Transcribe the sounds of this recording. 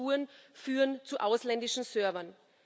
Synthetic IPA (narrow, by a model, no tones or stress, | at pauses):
uːənfyːʁənt͡suʔaʊslɛndɪʃn̩sœɐvɐn